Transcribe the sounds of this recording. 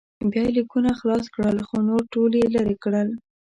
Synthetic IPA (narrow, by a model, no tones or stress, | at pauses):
bjɑjelikunaxlɑskɽəlxonoɾʈoljelaɾekɽəl